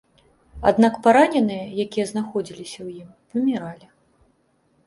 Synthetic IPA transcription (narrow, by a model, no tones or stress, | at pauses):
a̰d̪nakpaɾanʲɛnɨjɐjakʲijɐznaxɔd͡zʲilʲisʲɐwjim | pɐmʲiɾalʲi